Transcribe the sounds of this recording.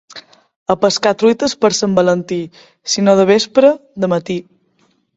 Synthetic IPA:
əpəskat̪ɾujt̪əspəɾsəmbələnt̪i | sinoðəβ̞espɾəðəmət̪i

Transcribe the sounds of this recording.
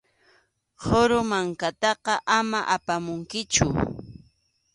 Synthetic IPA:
hoɾʊmaŋkat̪ɑqɑʔamaʔapamʊŋkɪt͡ʃʊ̰

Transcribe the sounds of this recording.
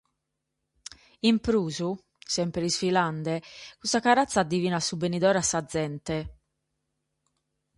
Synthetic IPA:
impɾuːzu | sɛmpɾɛisfiland̪ɛkusakaɾat̪sːaːd̪ːiviːnasubenid̪ɔːɾasːad̪zːɛnt̪ɛ

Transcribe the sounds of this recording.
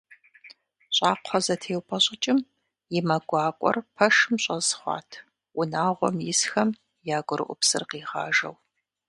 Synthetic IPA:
ɕʼɑːqʷʰɔzɐtʰeːwpʰʼɐɕʼɪt͡ʃʼɪm | jɪmɐɡʷɑːkʷʼɔ̰rpʰɐʃɨmɕʼɐzχʷɑ̰ːtʰ | wʊnaːʁʷɔ̰mjɪsxɐm | jaːɡʷʊɾɨ̰ʔʷʊpsɨ̰rqiːʁɑ̰ːʒɐ̰w

